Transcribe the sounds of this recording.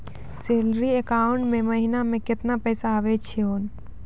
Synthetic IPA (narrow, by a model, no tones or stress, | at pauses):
seːlɾiekaːʊɳʈmẽməɦinamẽkɪt̪napɛːsaːʋet͡ʃʰeoːn